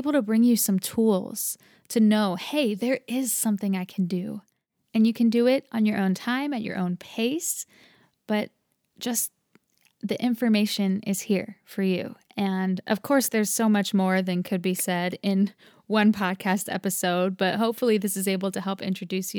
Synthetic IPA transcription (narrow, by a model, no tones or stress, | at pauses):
bl̩ˠtʰɨbɹɪ̃ŋjɨsʌ̃mtʰulˠz̥ | tʰɨnoʊheɪðə˞ɪz̥sʌ̃mθɪ̃ŋaɪkʰn̩dɨ̰ | ɨ̃njɨkʰɨ̃ndɨɪɾn̩jə˞ʔõʊ̃ntʰãɪ̃mɨt͡ʃə̰˞ʔõ̰ʊ̃npʰeɪs | b̥ʌt̚ | d̥ʒ̥ʌs | ðiʔɪ̃ɱfə˞meɪʃɨ̃nɪ̰z̥hiɹfə˞jʉ̰ɨ̃nʌ̰v̥kʰɔɹsðə˞z̥soʊmʌt͡ʃmɔɹðɨ̃nkʰɨd̚bisɛɾɪ̃n | wʌ̃npʰɑd̚kʰæstɛ̰pɨsoʊd̚b̥ʌt̚ɦoʊpfl̩ˠiðɪsɨzeɪbl̩ˠtʰɨhɛlˠpɪ̰̃nt͡ʃɹ̥ɨdʉs